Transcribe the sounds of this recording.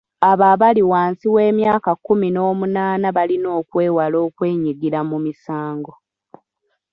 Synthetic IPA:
aβaβaliwaːnsiwe̞ːmjaːkakːumino̞ːmunaːnaβalino̞ːkwe̞ːwalo̞ːkwe̞ːɲiɡiɾamumisaːŋɡo̞

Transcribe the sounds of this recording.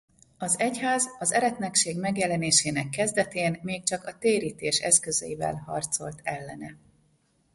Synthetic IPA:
ɒzɛchaːzɒzɛɾɛt̪nɛkʃeːɡmɛɡjɛlɛneːʃeːnɛkːɛzd̪ɛt̪eːnmeːk̚t͡ʃɒkɒt̪eːɾiːt̪eːʃɛskø̞zɛ̰jivɛ̰lhɒ̰rt̪so̞lt̪ʰɛlːɛnɛ

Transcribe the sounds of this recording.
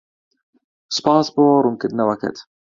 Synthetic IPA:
spaːsboːɾʊmkɪd̪nawakə̰t̪

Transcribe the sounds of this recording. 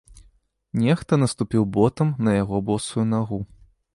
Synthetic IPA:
nʲɛxt̪ɐnɐst̪upʲiwbɔt̪ɐmnɐjaɣɔbɔsujunaɣu

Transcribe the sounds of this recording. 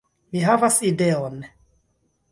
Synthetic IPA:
miɦavasideon

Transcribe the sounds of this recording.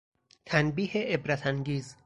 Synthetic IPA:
t̪ʰænbiːheʔebɾæt̪ʰæŋɡiːz

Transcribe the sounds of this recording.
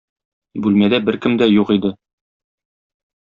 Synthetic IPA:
bʉlmæd̪æbɘɾkɘmd̪æjuqid̪ɘ

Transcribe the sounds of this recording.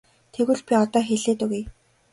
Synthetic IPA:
t̪ʰeɣŭɮpʲiɔt̪ɔːxeɮeːt̪ɵ̆ɣej

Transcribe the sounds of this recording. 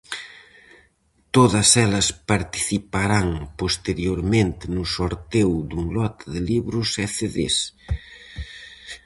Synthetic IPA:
t̪oðɐsɛlɐspaɾt̪i̥θipaɾaŋpost̪eɾjoɾmẽnt̪ɪnʊsoɾt̪ewd̪uŋlɔt̪aðɪliβɾʊsɛθeðḛs

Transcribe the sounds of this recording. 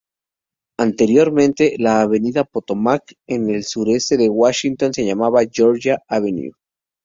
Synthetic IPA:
ant̪e̞ɾjo̞ɾmẽ̞nt̪e̞laːβe̞niðapo̞t̪o̞makene̞lsuɾe̞st̪e̞ðe̞ɣwaʃint̪o̞nse̞ʝamaβaʝo̞ɾʝaaβenjṵ

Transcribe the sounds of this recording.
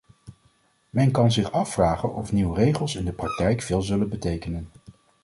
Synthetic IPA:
mɛnkɑnzɪχɑfːraːχənɔfniwrejχəlˠsɪndəprɑk̚tɛjkfɪːlˠzɵlənbətejkənən

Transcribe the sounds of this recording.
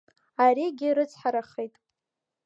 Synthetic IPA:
aɾiɡʲɪɾɨt͡sʰʼħaɾaχejtʼ

